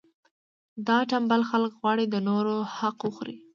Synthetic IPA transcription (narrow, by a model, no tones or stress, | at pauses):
d̪ɑʈambalxalkɣwɑɽid̪ənoɾohaqwəxɾḭ